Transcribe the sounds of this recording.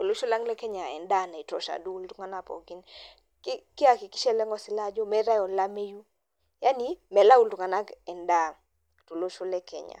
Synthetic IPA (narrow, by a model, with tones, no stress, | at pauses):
to˨lo˦ʃo˦la˦ŋlɛ˦kɛ˦ɲa˨ɛ̰˨nda˦˨na˨i˨tɔ˨ʃa̰˨du˦u˦ltu˦ŋa˦na˦pɔ̰˨ɡi˦n | ki˦kɪ˦a˨ki˨ki̥˦ʃɛ˦lɛ˦ŋɡɔ˦sɪ˨˦la˦d͡ʒo˦mɛ˦ɾa˦jɔ˨la˦me˦ju˦ | ja˦ni˦mɛ˨la˦u˦ltu˨ŋa˨na˦kɛ˨nda˦˨ | to˨lo˦ʃo˦lɛ˦kʰɛ̰˨ɲa̰˨